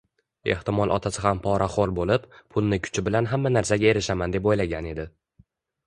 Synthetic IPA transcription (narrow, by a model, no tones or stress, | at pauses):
e̞̰ht̪ɪmɒlˠʔɒ̰t̪ʰasɪhampʰɒɾʔaχolbolɪpːʰʊlˠnɪkʲʰʊ̥t͡ʃʰɪbɪlanɦamːanaɾsaɡʲae̞ɾɪʃamand̪epojlaɡʲane̞d̪ɪ